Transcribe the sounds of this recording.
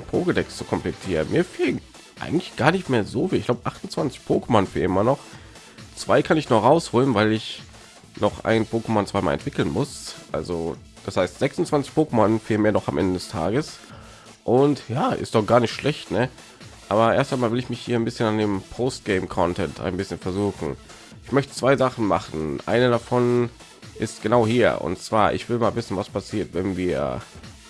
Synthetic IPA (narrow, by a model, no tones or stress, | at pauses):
npʰoːɡədɛkst͡su̥kʰɔmplɛtʰiːʁənmiːɐfeːlən | ʔa̰ɪɡŋ̩tlɪçɡ̥aːɐnɪçtmeːɐzoːfiɪçɡlaʊbəʔaχtʊn̩t͡sv̥ant͡sɪ̥çpʰoːkəmanfeːɪmɐnɔχ | t͡sv̥aɪkʰanɪçnɔʁaʊshoːlənvaɪlɪç | nɔχʔa̰ɪnpʰoːkəmɔnt͡sv̥aɪma̰ːlʔɛ̰ntv̥ɪkl̩nmʊsʔa̰lzo̰ | d̥ashaɪstz̥ɛksʊn̩t͡sv̥ant͡sɪçpʰoːkəmanfiːlnmeːɐnɔχamʔɛ̰ndədɛstʰa̰ːɡəs | ʔʊntjaːʔɪ̰std̥ɔχɡ̥aːɐnɪçtʃlʔɛçtnə | ʔaːbɐʔeːɐstaɪnmaːlvɪlɪçmɪçhiːɐaɪnbɪsçənandeːmpʰoːst̚ɡ̥ɛɪmkʰɔntʰɛntʰa̰ɪnbɪsçənfɛɐzuːxn̩ | ʔɪçmœçtə̥t͡sv̥aɪzaχn̩ma̰χn̩ʔa̰ɪnədafɔn | ʔɪstɡ̥ənaʊhiːɐʊ̰ntt͡sv̥aːɐʔɪ̰çv̥ɪlmaːlvɪsn̩vaspʰasiːɐtvɛnviːɐ